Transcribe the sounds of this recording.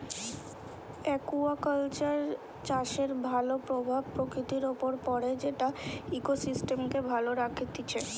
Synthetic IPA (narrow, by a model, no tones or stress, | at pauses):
ɛkuakəlt͡ɕaɾ | t͡ɕaʃeɾbʱalopɾobʱab̚pɾokɾit̪iɾopoɾpɔɽed͡ʑeʈaikosisʈemkebʱaloɾakʰit̪it͡ɕʰe